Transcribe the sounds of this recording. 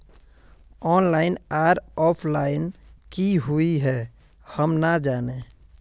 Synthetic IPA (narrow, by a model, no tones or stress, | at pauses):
ɔnlaɪnaɾɔpʰlaɪnkiɦuiɦɛ | həmnad͡ʒane